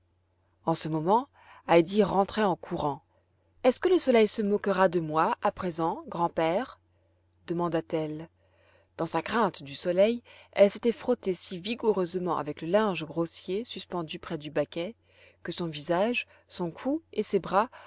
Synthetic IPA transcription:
ɑ̃səmɔmɑ̃ | ajd̪iʁɑ̃t̪χɛɑ̃kʰuʁɑ̃ | ɛskələsɔlɛjsəmɔkəʁad̪əmwaapχezɑ̃ɡʁɑ̃pɛːʁ | d̪əmɑ̃d̪at̪ɛl | d̪̥ɑ̃sakχɛ̃t̪d̪ysɔlɛjɛ̰lset̪ɛfχɔt̪esiviɡuʁøzmɑ̃ʔa̰vɛkləlɛ̃ʒɡʁosjesyspɑ̃d̪ypχɛd̪ybakʲɛ | kəsɔ̃vizaʒ | sɔ̃kʰuesebʁa

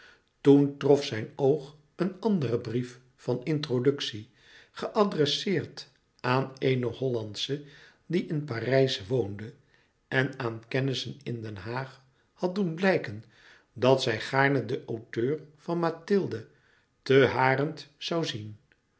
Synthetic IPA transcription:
tuntrɔfsɛjnowχ | ənɑndərəbrif | fɑnɪntrodɵksi | χəʔɑdrɛsɪːrt | aːnejnəɦɔlɑntsə | diʔɪnparɛjsʋowndə | ʔɛnaːnkɛnɪsənɪndɛnɦaːχ | hɑt̚dunblɛjkən | dɑtsɛjχaːɹnədəʔowtøːɹvɑnmatɪlˠdə | təɦaːrəntsɑwzin

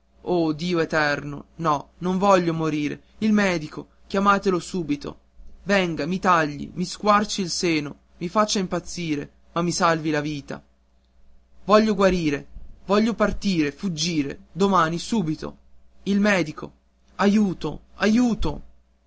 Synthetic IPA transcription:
oːd̪iːoet̪ɛrno̰nɔnoɱvɔʎːomoɾiːɾḛ | ilmɛːd̪iko | kjamaːt̪elosuːbit̪o̰ | vɛŋɡamit̪aʎːḭmiskwart͡ʃiilseːno | mifat͡ʃːaimpat̪sːiːɾe | mamːisalvilaviːt̪a̰ | vɔʎːoɡwaɾiːɾevɔʎːopart̪iːɾefud͡ʒːiːɾḛd̪omaːnisuːbit̪o̰ilmɛːd̪ikʰo̰ | ajuːt̪oajuːt̪o̰

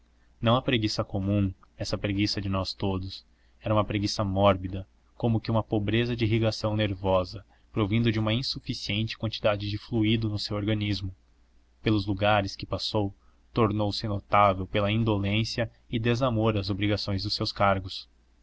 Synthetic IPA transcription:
nɐ̃w̃ɐpɾeɡisɐkomũ | ɛsɐpɾeɡisɐd͡ʒɪnɔst̪od̪ʊs | ɛɾɐũmɐpɾeɡisɐmɔɾbid̪ɐ | kõmʊkɪũmɐpobɾezɐd͡ʒɪiɦiɡasɐ̃w̃neɾvɔzɐ | pɾovĩnd̪ʊd͡ʒɪũmɐĩsufisiẽnt͡ʃɪ̥kwɐ̃nt͡ʃid̪ad͡ʒɪd͡ʒɪfluid̪ʊnʊsewoɾɡɐ̃nizmʊ | pelʊzluɡaɾɪskɪpasow | t̪oɾnowsɪnot̪avewpelɐĩnd̪olẽsiɐ | ɪd̪ezamoɾɐzobɾiɡasõj̃zd̪ʊsewskaɾɡʊs

